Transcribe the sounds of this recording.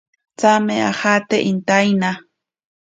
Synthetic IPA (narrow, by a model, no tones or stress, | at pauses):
t͡samea̰xat̪eʔint̪ajna